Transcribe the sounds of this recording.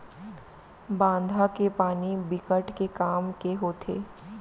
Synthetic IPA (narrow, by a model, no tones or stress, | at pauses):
bãːnd̪ʱakepaːnibɪkəʈkekaːmkeɦoːt̪ʰḛː